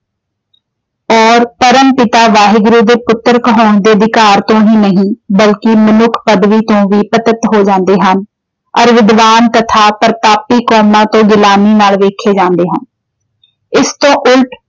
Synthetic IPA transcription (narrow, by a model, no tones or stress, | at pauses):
ɔːɾpəɾəmpɪt̪aːʋaːɦɪɡɾuːd̪eːpʊt̪ːəɾkəɦɔːnd̪eːəd̪ɪkaːɾt̪õːɦiːnəɦĩːbəlkɪmənʊkʰpəd̪ʋiːt̪õːʋiːpət̪ət̪ɦoːd͡ʒãːnd̪eːɦən | ɔɾʋɪd̪ʋaːnt̪ət̪ʰaːpəɾt̪aːpiːkɔːmãːt̪õːɡɪlaːniːnaːlʋeːkʰeːd͡ʒãːnd̪eːɦən | ɪst̪õːʔʊlʈ